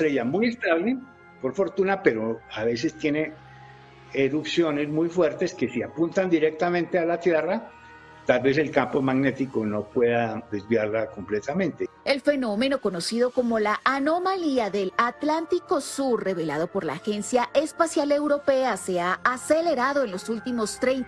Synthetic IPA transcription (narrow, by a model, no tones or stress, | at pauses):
t̪ɾeʝamujest̪aβle | po̞ɾfo̞ɾt̪unape̞ɾoaβe̞se̞st̪je̞ne | eɾupsjo̞ne̞zmujfwe̞ɾt̪eske̞siapunt̪and̪iɾek̚t̪amẽnt̪ealat̪je̞ra | t̪alβe̞s̬e̞lkampo̞maɣne̞t̪ikono̞pwe̞ðad̪e̞zβjaɾlako̞mplet̪amẽnt̪e | e̞lfe̞no̞me̞no̞ko̞no̞siðo̞ko̞mo̞laʔano̞maliaðe̞lat̪lant̪iko̞suɾre̞βe̞lað̞o̞po̞ɾla̰ːxe̞nsjaʔe̞spasjale̞wɾo̞pe̞ase̞aːseleɾaðo̞enlo̞sult̪imo̞st̪ɾejnt̪